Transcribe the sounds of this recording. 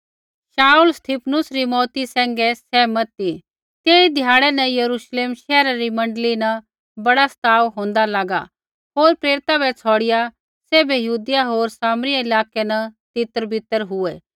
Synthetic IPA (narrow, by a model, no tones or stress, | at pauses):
ʃaːulst̪ʰipʰnʊsɾimɔːt̪isɛ̃ːŋɡɛsɛːmɐt̪ːi | t̪eːid̪ʱjaːɽɛnɛ̃jɐɾuʃleːmʃɛːɾaɾimɐ̃ɳɖlinɛ | bɐɽast̪ʰaːʋɦõːnd̪alaːɡa̰ | ɦoːɾpɾeːɾɪt̪abɛt͡sʰɔːɽɪja | sɛːbɛjɐɦuːd̪ɪjaɦoːɾsaːmɾijaɪlaːkenɛt̪ɪt̪əɾbʱɪt̪əɾɦʊɛ